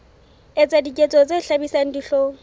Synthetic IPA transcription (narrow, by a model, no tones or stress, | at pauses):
ɪt͡sʼadikʼet͡sʼɔt͡seɬabisaŋ̩diɬoː